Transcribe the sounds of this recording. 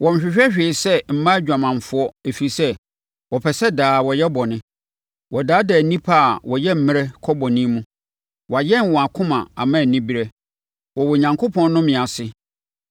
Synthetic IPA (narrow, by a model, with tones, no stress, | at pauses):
wɔ̃˨m˨ɕᶣɪ˨ɕᶣɛ˦ɕᶣeː˨sɛ˦m̩˨mã˦d͡ʑᶣa˨mã˨ɱ˨fʊ˦ɔ˦e˨fi˨i˨sɛ˦ | wɔ˨pʰɛ˨sɛ˦daː˨wɔ˨jɛ˦bɔ˨nɪ̃˦ | wɔ˨daː˨˦dɛ˨nĩ˦pʰa˦˨wɔ˨jɛ˦m̩˨mɪ̃˦ɾɛ˦kʰɔ˦bɔ˨nĩ˦mũ˦ | wɔ˨a˨jɛ̃˦˨nwɔ̃˨a˨kʰʊ̃˦mã̰˨a˨mã˦˨nĩ˦bi˦ɾɛ˦ | wɔ˨wɔ˨ɲã˨ŋkʰo˦pʰɔ̃˦nː˦ʊ̃˦mɪ̃˨a˨sɪ˦